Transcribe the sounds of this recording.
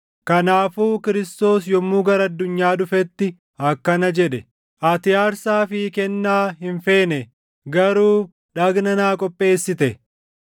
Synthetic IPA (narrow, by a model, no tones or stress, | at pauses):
kɐnaːfuːkɪɾɪst̪o̞ːsjɔmːuːɡɐɾɐɐd̪ːʊɲːaːᶑʊfɛt̪ːɪ | ɐkːɐnɐd͡ʒɛᶑɛ | ʔɐt̪ɪjaːɾsaːfɪkɛnːaːɦɪnfe̞ːnɛ | ɡɐɾuː | ᶑɐɡnɐnaːkʼɔpʼːe̞ːsːɪt̪ɛ